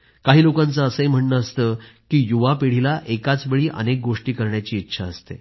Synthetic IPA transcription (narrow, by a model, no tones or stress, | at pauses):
kaɦiːlokãnt͡səəsəɦim̤əɳnəːst̪əkiːjuʋapiɽ̤ilaʔekat͡sʋeɭiːʔə̰nek̚ɡoʂʈiːkəɾɳjat͡ɕiːtːɕʰaəst̪ḛ